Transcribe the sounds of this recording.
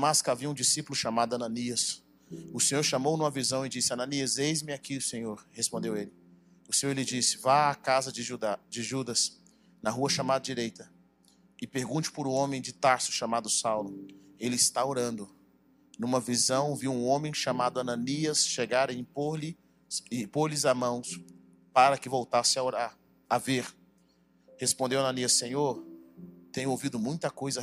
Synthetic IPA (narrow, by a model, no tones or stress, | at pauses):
maskaviɐũd͡ʒisipʊlʊʃamad̪ʊɐnɐ̃niɐs | ʊsẽɲoɾʃamownũmɐvizɐ̃w̃ɪd͡ʒisɪɐnɐ̃niɐzejzmɪakiʊsẽɲoɾhespõnd̪ewelɪ | ʊsẽɲoɾelɪd͡ʒisɪ̥vaakazɐd͡ʒɪʒud̪ad͡ʒɪʒud̪ɐs | nɐɦuɐʃamad̪ɐd͡ʒiɾejt̪ɐ | ɪpeɾɡũt͡ʃɪ̥pʊɾũõmẽj̃d͡ʒɪt̪aɾsʊ̥ʃamad̪ʊsawlʊelɪɪst̪aoɾɐ̃nd̪ʊ | nũmɐvizɐ̃w̃viũõmẽj̃ʃamad̪ʊɐnɐ̃niɐsʃeɡaɾeĩpoɾlɪ | ɪpoɾlɪzamɐ̃w̃s | paɾɐkɪvowt̪asɪaoɾaː | veɾ | hespõd̪ewɐanɐ̃niɐsẽɲoɾt̪ẽɲʊowvid̪ʊmũj̃t̪ɐkojzɐ